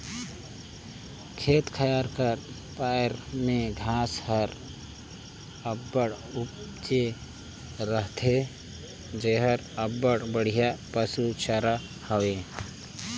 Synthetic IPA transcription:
kʰeːt̪kʰəjaːɾkəɾ | paːjɾmẽɡʱaːshəɾ | əbːəɽ | ʊpt͡ʃe | ɾəɦt̪ʰe | d͡ʒeɦəɾəbːəɽbəɽ̤ijapəsut͡ʃəɾa | həwe

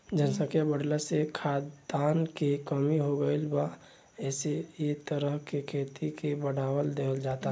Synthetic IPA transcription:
d͡ʒənsəkjabəɽlasekʰad̪ankekəmiɦoɡəɪlba | ɛsejet̪əɾəɦkekʰeːt̪ikebəɽawəld̪eəld͡ʒat̪a

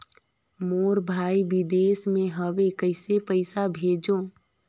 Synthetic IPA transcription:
moːɾbʱaːiʋid̪eːsmẽɦəʋekəɪsepəɪsabʱeːd͡ʒo

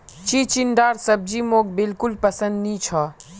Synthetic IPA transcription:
t͡ʃiːt͡ʃɪnɖaːɾsɐb̚d͡ʒiːmoːk̚bɪlkʊlpɐsə̃nd̪nĩːt͡ʃʰɔː

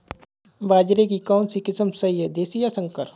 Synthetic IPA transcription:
baːd͡ʒɾek̬ikaʊnsikɪsəmsɐijəd̪eːsijasə̃ŋkəɾ

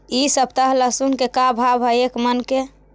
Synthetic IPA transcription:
isəbt̪aɦləsunkekabʱabʱɦəekmənke

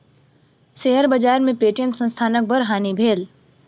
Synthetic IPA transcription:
seɦəɾbəd͡ʒaːɾmẽpeːʈijə̃nt̪sə̃nst̪ʰaːnək̚bʱəɾɦaːnibʱeːl

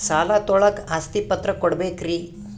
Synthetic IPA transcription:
salat̪oɭəkast̪ipət̪ɾəkoɽbekɾiː

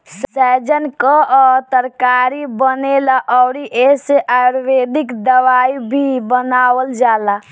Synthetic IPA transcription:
ssɛd͡ʒənkəɔt̪əɾkaɾibənelaʔɔːɾiʔeseʔaɾʋed̪ikd̪əʋaibʱibənaːwəld͡ʒaːla

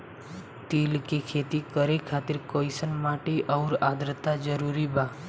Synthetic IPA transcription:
t̪iːlkikʰet̪ikəɾekʰat̪ɪɾkoisənmaʈiʔɔʊɾad̪ɾət̪ːad͡ʒəɾuɾibaː

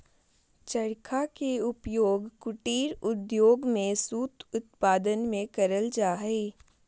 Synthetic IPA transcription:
t͡ʃəɽkʰakeʊpjoːɡkʊʈiːɾʊd̪joːɡmẽsuːt̪ʊt̪̚paːd̪ənmẽkəɾəld͡ʒaːɦeː

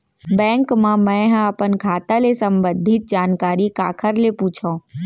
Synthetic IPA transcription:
bɛ̃ːŋkmãmɛ̃ɦəpənkʰaːt̪alesə̃mbə̃nd̪ʱɪt̪̚d͡ʒaːnkaːɾikaːkʰəɾlepuːt͡ʃʰõ

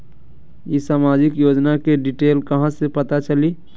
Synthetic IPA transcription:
jisaːmaːd͡ʒɪkjoːd͡ʒnakeɖiʈeːlkɐɦãsepɐt̪at͡ʃəli

